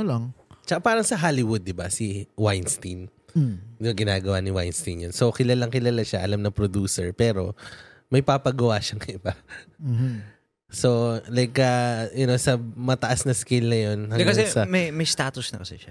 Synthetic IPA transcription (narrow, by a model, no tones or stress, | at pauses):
lɐŋt͡ʃɐʔapaːɾɐŋsɐɦaːlɪwʊd̪ːɪbɐsɪwajnst̪in | ɐɡɪnaːɡɐwanɪwa̰jnst̪injonso̞kɪlɐlɐŋkɪlɐlaʃaʔɐlamnɐpɾod̪uːsɛɹpɛːɾo̞̰ | mɐjpapɐɡɐwaʃɐŋɐɪba | so̞lɐɡ̚kɐjɐno̞sɐmɐt̪ɐʔasnɐskɪlnɐjo̞nhɐŋɡkːɐsɛsɐmɐjmɐjst̪aːt̪ʊsnɐkɐsɛʃa